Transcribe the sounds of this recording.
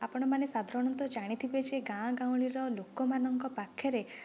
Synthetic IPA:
apɔɽ̃ɔmanesad̪ʱɔɾɔɽ̃ɔnt̪ɔd͡ʒaɽ̃it̪ʰibed͡ʒeɡãɡãw̃ɭiɾɔlokɔmanɔŋkɔpakʰːjɔɾe

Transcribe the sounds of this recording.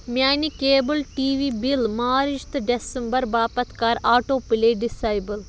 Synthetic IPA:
mjaːnikeːbəlʈiːʋiːbilmaːɾiʃt̪ɖesɐmbɐɾbaːpɐt̪kaːɾaːʈoːpileːɖisaːjbəl

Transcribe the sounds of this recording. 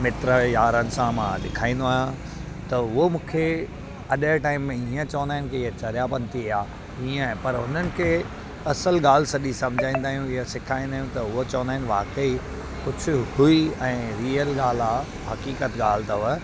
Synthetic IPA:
mɪt̪ɾəjaːɾənɪ̆sãmãɗɪ̰kʰaːĩːn̆d̪oaːɦjã | t̪ɐɦʊomũːkʰe | ɐɗəʈaːɪmːẽiːə̃t͡ɕɐʋə̃nd̪aːɪnkʰeɪɦet͡ɕɐɾjapɐnt̪iaː | iːə̃pɐɾɦʊn̤ənɪ̆kʰeː | ɐsəlɡaːl̤sɐɗisɐ̃md͡ʑʱaːĩnd̪aːɦijũɪɦsɪkʰaːĩnd̪aːɦjũt̪ɐʊɦot͡ɕɐʋənd̪aːɪnʋa̰ːkəi | kʊd͡ʑʱʊ̆hʊiɛ̃ːɾiːəlɡaːl̤aː | ɦɐkiːkət̪ɠaːl̤t̪ɐʋə

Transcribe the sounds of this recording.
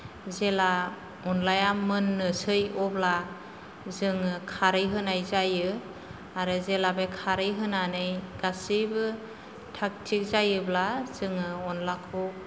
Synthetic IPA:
zela | ɔnlajamɯnːɯsɯjɔbla | zɯŋɯkʰaɾɯjɦɯnajzajɯ | aɾɯzelabekʰaɾɯjɦɯnanɯjɡ̥asibɯ | tʰak̚tʰik̚zajɯblaz̥ɯŋɯɔnlakʰɔ

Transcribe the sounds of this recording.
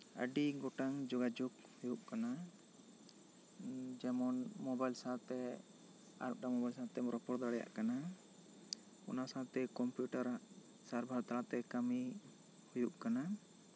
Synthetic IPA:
ə̰ɖiɡɔʈaŋd͡ʒɔɡad͡ʒuk | hujuʔkana | d͡ʒɛmɔnmɔbajlsãt̪ɛ | a̰ɾp̚ɖamɔbajlsãt̪ɛmɾɔpɔɾd̪aɽɛja̰ʔkana | ɔ̰nasãt̪ɛkɔmpjuʈaɾaʔ | saɾbʱaɾt̪aɾat̪ɛkami | hujuʔkana

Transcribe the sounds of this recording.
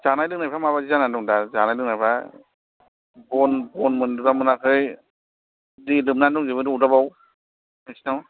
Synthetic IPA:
zanajlɯŋnajpʰamaβazizananduŋdazanajlɯŋnajpʰa | bɔnbɔnmɯnduɾamɯnakʰɯj | dilɯmnanduŋzibɯnduudabaw | ɯsnaw

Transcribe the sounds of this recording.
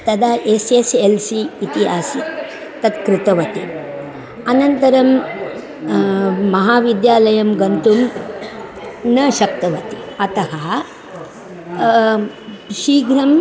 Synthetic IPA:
t̪ɐd̪ɐʔeseselsiːt̪iɦaːsi | t̪ɐt̪kɾɪt̪ɐʋɐt̪i | ɐnɐnt̪ɐɾɐm | ɐɦaːʋid̪jaːlɐjɐmɡɐnt̪um | nɐʃɐk̚t̪ɐʋɐt̪i̥ɐt̪ɐɦɐ | ʃiːɡɾɐm

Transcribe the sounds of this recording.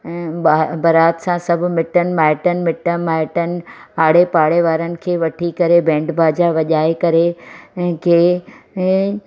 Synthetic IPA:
bɐɾaːt̪sãsɐb̆ʱmɪʈənɪ̆maːɪʈənɪ̆mɪʈəmaːɪʈənɪ̆aːɽepaːɽeʋaːɾənɪ̆kʰeːʋɐʈʰikɐɾebʱɛ̃ːɳɖbʱaːd͡ʑaʋɐʄaːekɐɾe | kʰẽː

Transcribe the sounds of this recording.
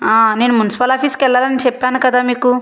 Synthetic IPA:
aːne̞ːnumunisi̥pɐlaːpʰiːskɛlːaːlɐnit͡ʃɛpːaːnukɐd̪aːmiːku

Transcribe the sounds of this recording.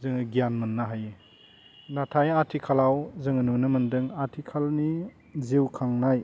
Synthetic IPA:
zɯŋɯɡijanmɯnːaɦaje | natʰajatʰikʰalawzɯŋɯnunɯmɯndɯŋatʰikʰalni | zewkʰaŋnaj

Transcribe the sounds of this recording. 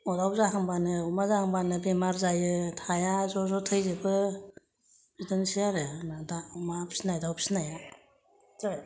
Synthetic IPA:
ɔdawzaɦaŋbanɯumazahaŋbanɯbemaɾzajɯtʰajazɔzɔtʰɯjzɯbɯ | bidɯnsijaɾɯnadaumapʰsinajdawpʰsnaja | tʰɯj

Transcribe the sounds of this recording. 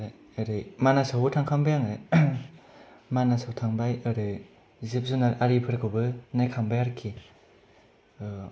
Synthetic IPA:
ɾ | ɯɾɯjmanasaɦutʰaŋkʰambajaŋɾɯ | manasawtʰaŋbajɯɾɯ | zip̚zunaɾaɾipʰɯɾkʰɯwbɯnajkʰambajaɾkʰːi | ɯ

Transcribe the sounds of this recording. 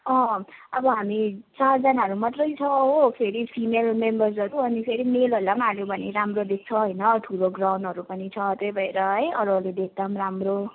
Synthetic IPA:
ʌ̃ʌbʌɦamit͡sard͡zʌnaɦʌɾumat̪rʌjt͡sʰʌɦopʰeɾipʰimelmembʌrsʌɾuʌnipʰeɾimelɦolamaljobʱʌneɾamrod̪ek̚t͡sʰʌɦojnʌʈʰuloɡrawnɖɦʌɾupʌnit͡sʰʌt̪ʌjbʱʌeɾʌɦʌjʌɾʌled̪ek̚t̪amramro

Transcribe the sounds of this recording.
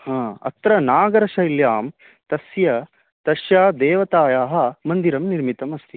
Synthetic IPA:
hãːɐ̰t̪ɾɐnaːɡɐɾɐʃɐiljaːm | t̪ɐsjɐ | t̪ɐʃjaːd̪eːʋɐt̪aːjaːɦɐ̆mɐnd̪iɾɐmniɾmit̪ɐmɐst̪ʰi

